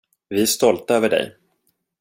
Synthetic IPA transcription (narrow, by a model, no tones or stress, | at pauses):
vɪæʂt̪ɔlt̪aøːvəɖɛ̰j